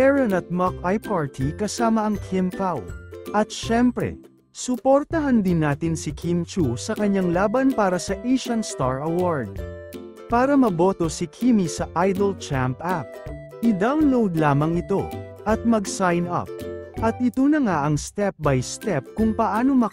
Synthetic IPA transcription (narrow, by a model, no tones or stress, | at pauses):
ɛɹɐnɐt̪̚mɐkajpaɹt̪ʰikɐsaːmɐʔɐŋkʰɪmpawʔɐt̪ʃɛmpɾɛ̰ | sʊpoɾt̪ɐɦɐnd̪ɪnːaːt̪ɪnsɪkʰint͡ʃusɐkɐɲːaŋlaːbɐnpaːɾɐsɐʔeʃɐnst̪aɹʔɐwaɹd̪̚ː | aːɾɐmɐbo̞t̪o̞sɪkʰimisɐʔajd̪ɐlt͡ʃampʔap̚ | ʔɪd̪awnlowd̪laːmɐŋɪt̪o̞ʔɐt̪̚mɐɡsajnɐ̰p̚ʔɐt̪̚ʔɪt̪onɐŋaʔɐŋst̪ɛp̚bɐjst̪ɛp̚kʊŋpɐʔaːno̞mɐ